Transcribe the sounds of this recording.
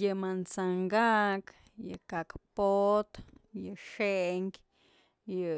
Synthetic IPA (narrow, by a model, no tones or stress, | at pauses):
jɨmant͡saŋɡak | jɨ̰kakpot̪jɨʂeŋkʲ | jɨ